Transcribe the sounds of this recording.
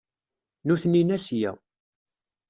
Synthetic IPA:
nuθnːinæsjæ̰

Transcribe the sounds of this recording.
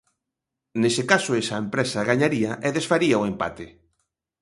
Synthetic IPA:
nesɪkasʊesɐempɾesɐaɣaɲaɾiɐʔeðesfaɾiaoempa̰t̪e

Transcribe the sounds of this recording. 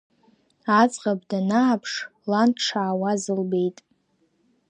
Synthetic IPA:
at͡sʼqʼab̚danaːpʰʂlantʰʈ͡ʂʰaːwazɨlbe̞jtʼ

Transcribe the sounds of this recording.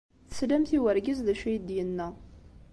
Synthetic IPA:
θə̥slæmθiwəɾɡəzðæʃæjd̪jənːæ

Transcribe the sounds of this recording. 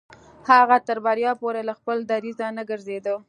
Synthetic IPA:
haɣat̪əɾbaɾjɑpoɾelaxpəld̪aɾizanaɡəɾzed̪ə

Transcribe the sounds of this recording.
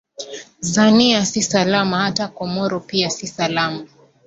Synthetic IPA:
zaniasisalamahatakɔmɔɾɔpiasisalama

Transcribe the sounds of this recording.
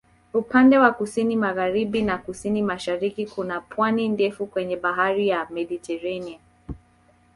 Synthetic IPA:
upandɛwakusinimaɣaɾiɓinakusinimaʃaɾikikunapʰwanindɛfukwɛɲɛɓaɦaɾijamɛɗitɛɾania

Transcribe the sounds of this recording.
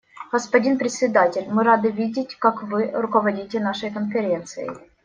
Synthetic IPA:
ɡəspɐdʲinpɾʲɪt̪sʲɪd̪atʲɪlʲmɨɾad̪ɨvʲidʲɪtʲkakvɨɾʊkəvɐdʲitʲɪnaʂɨjkənfʲɪɾʲe̞nt̪sɨ̰jɪ̰

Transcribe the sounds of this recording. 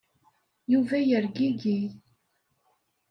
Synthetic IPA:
juvæjəɾɡiɡi

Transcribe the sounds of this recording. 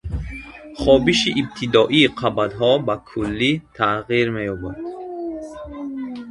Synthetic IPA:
χɔbiʃiʔːb̚t̪ʰid̪ɔʔiːqʰabad̪ɦɔbakʰulːit̪ʰaʁiɾmejɔbad̪̥

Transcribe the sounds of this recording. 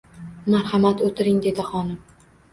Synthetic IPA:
maɾhɑmat̪ot̪ʰɪɾɪŋd̪e̞d̪ɪχɒnɪm

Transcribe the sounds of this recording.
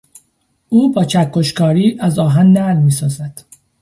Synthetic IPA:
ʔuːbɒːt͡ʃʰækʰːoʃkɒːɾiːʔæzɒːɦænːælmiːsɒːzæd̪̥

